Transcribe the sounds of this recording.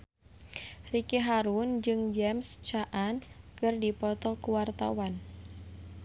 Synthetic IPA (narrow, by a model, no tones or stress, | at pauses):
rikeɦaɾund͡ʒɨŋd͡ʒɛmst͡ʃaʔankɨrdipɔt̪ɔkuwart̪a̰wan